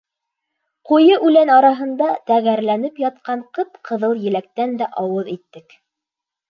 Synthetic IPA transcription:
qujɤʔʉlænɑɾɑɦɤ̆nd̪ɑt̪æɣæɾlænɘpjɑt̪̚qɑɴqɤpqʰɤ̆ðɤlˠjɘ̆læk̚t̪ænd̪æʔɑwɤðit̪ːɘk

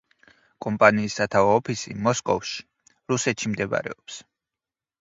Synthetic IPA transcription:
kʼɔmpʼaniːsːat̪ʰavaːpʰisḭmɔskʼɔ̰vʃi̥ | ɾusɛt̪ʃimd̪ɛba̰ɾɛ̰ɔps

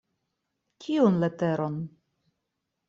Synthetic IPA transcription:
kʲʰiunleteɾon

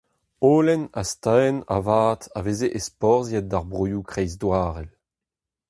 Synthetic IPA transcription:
oːlɛnast̪aɛna̰vaːtavezeʔespɔʁzjɛt̚daʁbʁyjukχɛjzdwaːʁɛl

